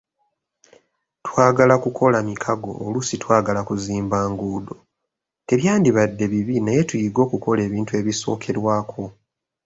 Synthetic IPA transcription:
twaːɡalakukʰo̞lamikʰaɡo̞̰ːlusitwaːɡalakuziːmbaːŋɡuːdo̞ | te̞βjaːndiβadːe̞βiβinaje̞tujiɡo̞ːkuko̞le̞ːβiːntue̞ːβiso̞̰ːkʰe̞ɾwaːkʰo̞

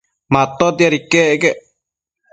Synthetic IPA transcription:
mat̪ːot̪jaɾikːeʔkeʔ

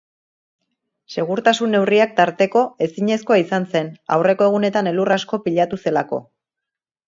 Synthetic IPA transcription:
se̞ɣ̞uɾt̪asunːe̞wriak̚t̪aɾt̪e̞ko̞e̞siɲe̞sko̞aisanse̞na̰wre̞ko̞e̞ɣ̞une̞t̪ane̞lurasko̞piʎat̪use̞lako̞̰

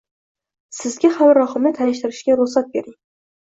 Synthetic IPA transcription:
sɪzɡʲahamɾɒχɨmnɪt̪ʰaɪʃt̪ɪɾɪʃɡʲaɾʊχsat̪̚be̞ɾɪŋ

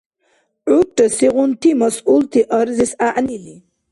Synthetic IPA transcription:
ʕuʈəsiɣunt̪ʰimɐsult̪ʰiʔɐɾzisaʔnili

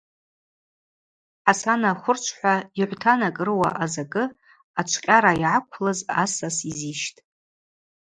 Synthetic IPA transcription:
ħasanaχʷʊrt͡ʃʷʰħʷᶣaiʕʷtʰanakʼrɨwa̰ʔazakʼɨ | at͡ʃʷʰqʲʼaɾaiʕakʷʰlazasasiziʃtʼ

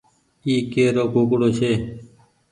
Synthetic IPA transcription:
iːkeːɾoːkoːkɽoːʃeː

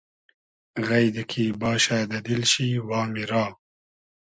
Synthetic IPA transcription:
ɣajd̪əkʰiːbɑːʃaːd̪ɐd̪ilʃiːwɑːmiɾɑː

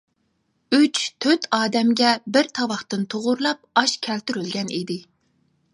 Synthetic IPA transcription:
yt͡ʃt̪ʰøt̪ʰɑːd̪ɛmɡʲɛbɪɾt̪ʰɑwɑχt̪ɨnt̪ʰoʁʊɾlˠɑp̚ɑʃkʲʰɛlt̪yɾylɡʲɛnid̪ɪ

